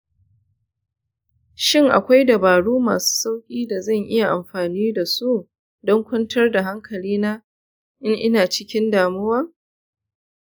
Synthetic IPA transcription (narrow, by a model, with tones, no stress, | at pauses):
ʃɪ˦˨ŋʔa̰˨kʷa˦jdɐ˨baː˨ɽuː˦ma̰ː˨su̥ː˦sa˦wkʲʼiː˦da˨zɐ˦˨ŋʔɪ˦ja˨ʔa˨mɸaː˨niː˦da˨su˦ʔ | dɔ˦ŋkʷɐ˦ntʰɐ˦rda˨ɦa˦ŋkʰɐ˨liː˦naː˦ | ʔɪ˦ŋʔɪ˦naː˨t͡ʃɪ˦kʲɪ˦ndaː˨mʊ˦wɐ˦ŋ